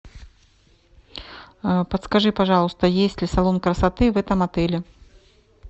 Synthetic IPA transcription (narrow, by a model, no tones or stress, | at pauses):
pɐt̪skaʐɨpaʐɑlˠust̪ɐjesʲt͡sʲlʲisalˠɔnkɾɐsat̪ɨvɛt̪ɐmat̪ɛlʲɛ